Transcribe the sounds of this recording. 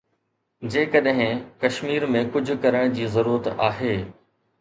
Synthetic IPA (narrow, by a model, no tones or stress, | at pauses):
d͡ʑeːkəɗɦɪ̃kɐʃmiːɾmẽkʊd͡ʑʱʊ̆kɐɾəɽ̃d͡ʑiːzɐɾuːɾət̪aːɦeː